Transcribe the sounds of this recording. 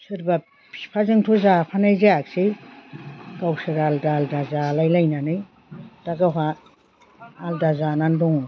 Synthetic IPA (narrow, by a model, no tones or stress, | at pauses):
sɯɾba | pʰipʰazɯŋtʰɔzapʰanajzaak̚sɯj | ɡawsɯɾaldaldazalajlajnanɯj | d̥aɡaɦa | aldazanandɔŋ